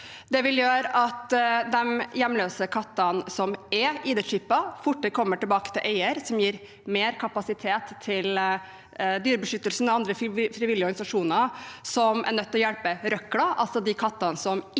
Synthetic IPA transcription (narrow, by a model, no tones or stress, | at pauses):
d̪ɛʋɪljøːɾɑt̪d̪ɛmjɛmløːsəkʰɑt̪ːɑnsɔmɛiːd̪ɛʂɪpːɑfʊʈːəkʰɔmːəʈɪlbɑːkə̥t̪ʰɪlʔeɪəɾsɔmjiːɾ | meːɾkʰɑpɑsɪt̪ʰeːt̪ʰːɪl | d̪yːɾəbəʂʏt̪ːəlsn̩ɔɑnd̪ɾəfɾɪʋɪlːɪəɔɾɡɑnɪsɑʂuːnəsɔmʔæ̰ɳœt̪ːɔjɛlpəɾœklɑʔɑ̰lsɔd̪ɪkʰɑt̪ːɑnsɔm